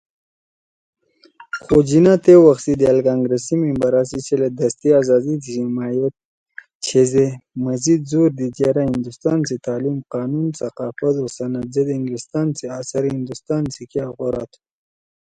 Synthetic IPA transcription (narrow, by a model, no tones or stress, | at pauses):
xod͡ʒinat̪ewaxsid̪ialkaːŋɡɾesimimbaɾasit͡ʃʰeled̪ɐst̪iaːzɑːzit̪iimaːjɐt̪̚ | t͡ʃʰezemɐzid̪̚zuːɾd̪id͡ʒeɾahind̪ust̪ɑːnsit̪aːlimqɑːnunsɐqɑːfɐt̪osɐnɐd̪zed̪iŋɡɾist̪aːnt͡seaːsaɾhind̪ust̪ɑːnsikiaɣaɾaːt̪ʰu̥